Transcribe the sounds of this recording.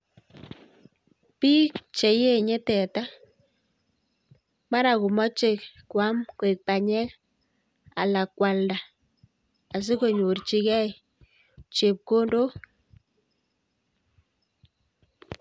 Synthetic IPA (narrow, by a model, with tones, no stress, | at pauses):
piː˦kt͡ʃe˨je˦ɲɛ˦tɛ˨ta˦ | ma˦ɾa˨ku˨mɔ˦t͡ʃe˨k̚kwa˦mkwe˨k̚pa˨ɲɛ˦k | a̰˨la˨kwa˨lda˨ | a˨s̬ɪ˦ko˨ɲo˨rt͡ʃi˨kɛ˦j | t͡ʃe˨p̚ko˦ndo˦